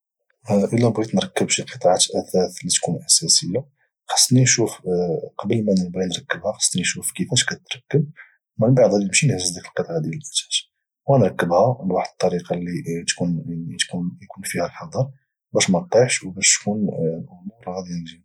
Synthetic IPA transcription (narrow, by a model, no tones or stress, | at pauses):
ʔəlːæbɣit̪nɾˤɑkːəbʃiqət̪ˤɑʕat̪ʔæθæθlit̪kunʔæsæsəjːa | xɑ̥sˤt̪niʃufqɑbəlmænəlbinɾˤɑkːəbhæxɑ̥sˤt̪niʃufkəfæʃkæt̪ɾˤɑkːəb̚ | mənbɑʕd̪ˤhæd̪iəmʃinhzəzd̪ækəlqət̪ˤɑʕad̪jælʔæt̪æ̥t̪ | wænɾˤɑkːəbhælwaħd̪ət̪ˤːɑɾiqɑlːit̪kunt̪kunjkunfihælħɑd̪ˤɑɾ | bæʃmæt̪iħʃwbæʃtkunʔʊmuɾˤhæd̪iʒi